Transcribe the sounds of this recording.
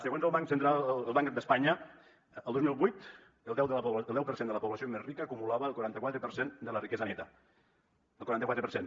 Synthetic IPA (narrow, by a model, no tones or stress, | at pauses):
səɣ̞onzəlˠβaŋksənt̪ɾalˠəlˠβaŋkad̪əspaɲə | əlˠd̪ozmilˠβujt̪ | əlˠd̪ɛwðəəlˠd̪ɛwpəɾsend̪ələpuβlasiomezrikəːkumulaβəəlˠkuɾant̪əkwat̪ɾəpəɾsend̪ələrikɛzənɛt̪ə | əlˠkuɾant̪kwat̪ɾəpəɾsen